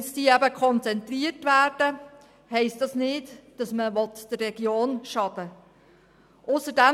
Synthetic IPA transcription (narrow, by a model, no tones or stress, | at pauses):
sdiːɛbəkʰχɔnt͡sɛnt̪riərtʋæːɾd̥ə | hɛɪstdɑsnɪːtd̥ɑsməʋɔt̪d̥ərrɛɡ̥joːnʃɑd̥ə | ʔʊsədæ